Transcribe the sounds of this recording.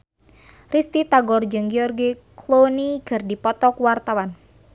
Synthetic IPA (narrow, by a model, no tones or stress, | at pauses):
rist̪it̪aɡɔrd͡ʒɨŋɡiɔrɡiklonikɨrdipɔt̪ɔkwart̪awan